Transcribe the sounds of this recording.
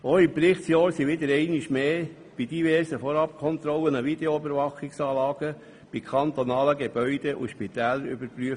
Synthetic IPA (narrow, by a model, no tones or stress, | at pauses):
oɪmpɾɪχt̪sjɑːɾsiʋɪd̪əɾɛɪnɪʃmeː | b̥id̥̪ivɛːɾsəfɔɾɑp̚kʰɔnt̪ɾɔlənəvid̥̪eoybəɾvɑχɪksɑːlɑːɡ̥ə | b̥ikʰɑnt̪ɔnɑːləɡeb̥œʏd̪eʔṵʃpit̪ɛːləɾʏbəɾpɾyə